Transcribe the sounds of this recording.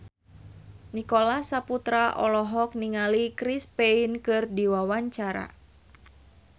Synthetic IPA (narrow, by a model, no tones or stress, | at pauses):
nikolasaput̪ɾaʔɔlɔɦɔk̚niŋalikɾispeinkɨrdiwawaɲt͡ʃaɾa̰